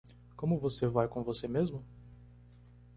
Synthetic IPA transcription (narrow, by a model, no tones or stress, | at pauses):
kõmʊvosevajkõvosemezmʊ